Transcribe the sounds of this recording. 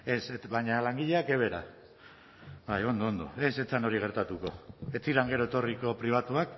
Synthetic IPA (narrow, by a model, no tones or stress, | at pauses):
e̞seβaɲalaŋɡiʎe̞akeβ̞e̞ɾa̰ | bajo̞nd̪oond̪o̞̰e̞set͡sano̞ɾiɣ̞e̞ɾt̪at̪uko̞̰e̞t͡siɾaŋɡe̞ɾo̞et̪o̞riko̞pɾiβ̞at̪uak